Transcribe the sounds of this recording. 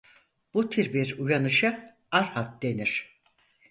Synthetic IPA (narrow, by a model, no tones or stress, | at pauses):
b̥ut̪ʰiɾbiɾujanɯʃɯ | aɾhat̪̚d̪e̞niɾ̥